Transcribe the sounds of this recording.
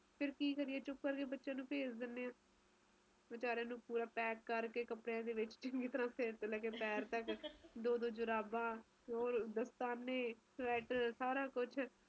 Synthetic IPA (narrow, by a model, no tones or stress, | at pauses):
pʰɪɾkiːkəɾiɛːt͡ʃʊkːəɾkeːbətːʃãːnũːpʰeːd͡ʒd̪ɪnːeːãː | bɪt͡ʃaːɾeãːnũːpuːɾãːpɛːkːəɾkeːkəpɽejãːd̪eːʋɪt͡ʃt͡ʃəŋɡeːt̪əɾãːseɾt̪lɛːkeːpɛːɾt̪əkd̪oːd̪oːd͡ʒʊɾaːbãː | oːɾd̪əst̪aːnːẽːsʋɛːʈsaːɾaːkʊt͡ʃʰ